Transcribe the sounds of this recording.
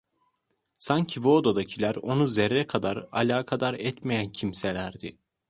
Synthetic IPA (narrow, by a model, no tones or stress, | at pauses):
saɲcʰibuod̪o̞d̪acʰilʲæɾo̞nuzeɾːɛkʰad̪aɾa̰lʲaːkʰad̪aɾɛt̪mejæncʰimselʲæɾd̪ɪ̰